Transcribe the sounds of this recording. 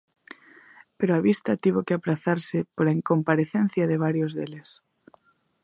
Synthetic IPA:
peɾoaβist̪at̪iβ̞okeapɾaθaɾsɪpoɾaeŋkompaɾeθen̟θjaðeβ̞aɾjozðeles

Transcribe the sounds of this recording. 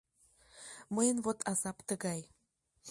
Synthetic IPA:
məjənβot̪ʰɑzɑpt̪əɣɑj

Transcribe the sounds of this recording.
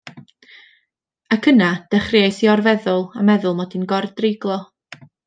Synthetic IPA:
akʰənad̥ɛχrɪajsiɔrvɛðʊlˠa̰mɛðʊlˠmɔdinɡɔrdrɪɡlˠɔ

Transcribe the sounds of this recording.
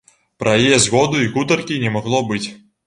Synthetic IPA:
pɾɐjijɛzɣɔd̪uiɣut̪ɐrkʲinʲɛmaɣlˠɔbɨt͡sʲ

